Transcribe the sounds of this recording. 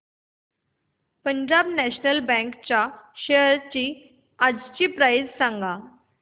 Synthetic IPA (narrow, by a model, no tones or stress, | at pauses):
pəɲd͡ʑabnɛɕnəlbɛ̃kt͡ɕaɕeəɾt͡ɕiː | ad͡zt͡ɕiːpɾajd͡zsãŋɡa